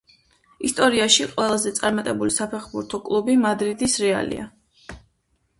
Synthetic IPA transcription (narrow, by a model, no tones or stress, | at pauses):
ist̪ʼɔɾiaʃiqʼwɛlˠazɛt̪sʼaɾmat̪ʼɛbulisapʰɛχbuɾt̪ʰɔkʼlˠubimad̪ɾid̪isɾɛa̰lḭa̰